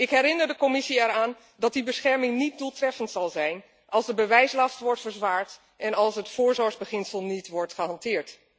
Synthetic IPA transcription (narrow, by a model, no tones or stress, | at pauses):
ɪkɦɛɾɪnəɹdəkomɪsiɛɾaːn | dɑt̚dibəsχɛɹmɪŋnit̚dulˠtrɛfəntsɑlˠzɛjn | ʔɑlˠzdəbəʋɛjslɑstʋɔɹtfəɹzʋaːɹt | ʔɛnɑlˠsətfoːɹzɔɹɣzbəχɪnsəlˠnitʋɔɹtχəhɑntɪːɹt